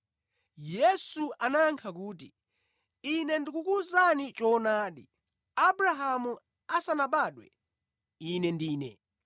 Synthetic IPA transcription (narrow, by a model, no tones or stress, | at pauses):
jɛsuʔanaŋkʰak̬uːt̬ḭ | inɛndikukuzanit͡ʃɔnaːɗḭ | abɾaɦamu | asanaɓaːɗwɛ̰ | inɛndiːnɛ̰